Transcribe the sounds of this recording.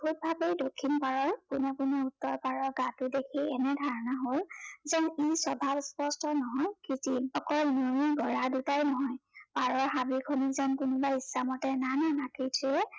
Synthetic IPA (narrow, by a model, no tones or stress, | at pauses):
bʰʱut̚bʱabejdokʰːinpaɹɔnkʊnɛkʊnɛutːɔɹpaɹɔɹɡãtʊdekʰiɛnɛdʱaɹɔnaɦolzɛnisɔbʱabspɔstɔnɔɦɔjkitiɔkɔɹmomiɡʱɔɹadutajnɔɦɔjpaɹɔɹɦabikʰonizankʊnʊbaisːamɔtɛnananakitʰiɛ